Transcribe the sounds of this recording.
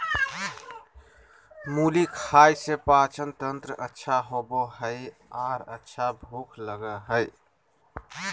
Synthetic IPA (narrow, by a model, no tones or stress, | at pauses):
mulikʰajsepat͡ʃənt̪ənt̪ɾəʔətːʃʰaɦoboɦəɪ | aɾətːʃʰabʱukʰləɡəɦəj